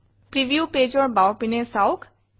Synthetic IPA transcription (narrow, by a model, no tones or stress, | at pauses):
pɾiʋjupeːd͡ʒɔɾbawpinesawkʰ